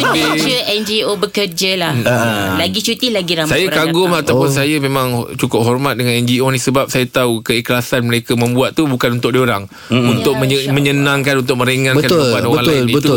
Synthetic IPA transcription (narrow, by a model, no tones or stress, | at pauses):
uit͡ʃəʔɛnd͡ʒiobəkərd͡ʒəlalaɡit͡ʃut̪ɪlaɡiɾasajaɾkaɡʊmat̪awwpʊnsajamẽmãŋt͡ʃukʊp̚ɦɔrmat̪̚dəŋanɛnd͡ʒionisəbap̚sajat̪aukəiklasanməɾekamə̃mbuat̪̚ːubukanunt̪ʊk̚doɾaŋ | unt̪ʊk̚məmə̃ɲənãŋkanunt̪ʊk̚mə̃ɾeŋãnbəkanbanoɾbəaŋlaɪlnnibət̪ʊ